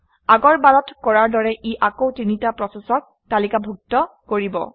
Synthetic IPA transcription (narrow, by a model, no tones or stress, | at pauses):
aɡɔɹbalɔtkɔɹaɹdɔɹɛʔiʔakowtinitapɹɔsesɔk̚ | talikabʱuk̚tɔkoɹibɔ̰